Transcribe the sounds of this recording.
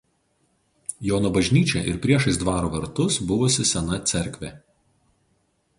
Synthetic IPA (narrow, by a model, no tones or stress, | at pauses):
joːnoːbɐʒʲnʲiːt͡ʃʲɛʔɪɾpʲɾʲiɛʃɐɪsd̪ʋɑːɾoːʋɐɾt̪ʊsbʊʋʊsʲɪsʲɛnɐt̪sʲɛɾʲkʲʋʲeːˑ